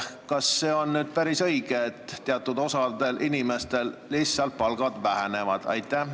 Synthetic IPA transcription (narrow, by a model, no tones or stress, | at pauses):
kɑsːe̞ːo̞nːyːd̪̥̚pæɾisɤ̞jɡ̥e̞t̪ːeɑt̪ːˑud̪̥o̞sɑd̪e̞lʔinime̞st̪e̞lːisːɑlt̪̚pɑlɡ̥ɑd̪væɦene̞vɑd̪̥ɑ̰jt̪ːˑæh